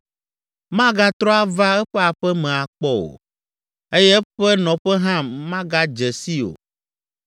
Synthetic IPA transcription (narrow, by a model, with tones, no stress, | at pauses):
mã˦ɡa˦t̪ɾɔ˦a˦va˦ɛ˦ɸɛ˦a˨ɸɛ˦mɛ̃˨a˨k͡pɔ˦o̰˨ | e˦jɛ˦ɸɛ˦nɔ̃˨ɸɛ˦ɦã˦mã˦ɡa˦d͡ʒɛ˨si˦o̰˨